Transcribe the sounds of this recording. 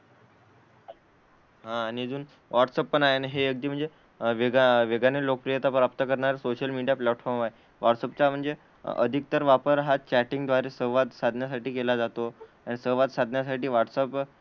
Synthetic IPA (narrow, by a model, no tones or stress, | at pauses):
ɦãːñid͡zuːn | ʋaʈsəpːənaɦenaɦejək̚d̪iːm̤əɳd͡ze | ʋeɡaʋeɡanelok̚pɾijət̪apɾap̚t̪əkəɾɳaɾsoɕəlmiɽijaplɛʈfɔɾmaɦe | ʋaʈsəpt͡ɕam̤əɳd͡ze | ə̰d̪ʱik̚t̪əɾʋapəɾɦat͡ɕæʈiŋɡd̪ʋaɾesəʋad̪sad̪ʱnjasaʈiːkelad͡zat̪o | aɽ̃isəʋad̪sad̪ʱnjas̬aʈiːʋaʈsəp